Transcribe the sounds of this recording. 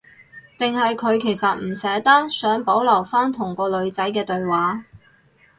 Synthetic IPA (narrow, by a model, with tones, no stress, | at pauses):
t͡sɪ˨ŋhɐ˨jkʰɵ˨˧ɥkʰe˨˩jsɐ˨t̚m̩˨˩sɛː˨˥t̪ɐ˥k̚sœː˨˥ŋpo˨˥wlɐ˨˩wfaː˥nt̪ʰʊ˨˩ŋkɔː˧lɵ˨˧ɥt͡sɐ˨˥jkɛː˧t̪ɵ˧ɥwaː˨˥